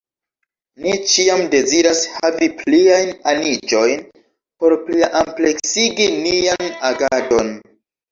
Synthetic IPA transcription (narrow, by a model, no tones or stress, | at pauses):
nit͡ʃiamde̞ziɾashavipliajnanid͡ʒo̞jn | po̞ɾpliʔample̞ksiɡinianaɡado̞n